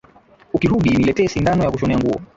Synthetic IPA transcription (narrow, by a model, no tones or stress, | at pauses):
ukihuɗinilɛtɛːsindanɔjakuʃɔnɛaŋɡuɔ̰